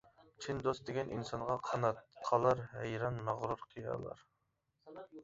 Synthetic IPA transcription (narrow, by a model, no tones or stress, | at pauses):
t͡ʃʰind̪ost̪d̪ɪɡʲɛnʔḭnsɑnʁɑqʰnɑt̪qʰɑlˠɑɾɦɛjɾɑnmæʁɾuɾqʰɨjɑ̰lˠɑ̰ɾ